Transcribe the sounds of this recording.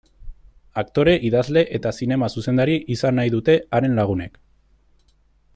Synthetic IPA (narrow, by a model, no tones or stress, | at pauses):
akt̪o̞ɾe̞ʔiðazle̞ʔet̪asine̞masuse̞nd̪aɾiʔisanːajðut̪e̞aɾe̞nlaɣ̞une̞k